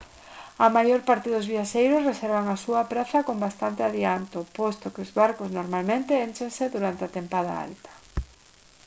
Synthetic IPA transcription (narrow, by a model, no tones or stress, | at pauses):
ɐmajoɾpaɾt̪eðʊzβiaʃejɾʊsreseɾβ̞aŋasuɐpɾaθɐkombast̪ant̪eaðiant̪opost̪okeʊzβaɾkoznoɾmalmẽnt̪eent͡ʃeŋseðuɾant̪eat̪empaða̰a̰lt̪ḁ